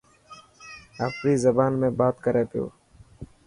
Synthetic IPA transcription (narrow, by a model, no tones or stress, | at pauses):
ə̰fɾiːzəbaːnmẽːbaːt̪kəɾeːp̪jo̰ː